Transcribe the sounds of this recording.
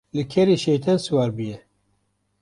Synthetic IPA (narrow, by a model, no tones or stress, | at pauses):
lɨkʰɛɾiʃejt̪ʰɛnsuwaːɾbɨjɛ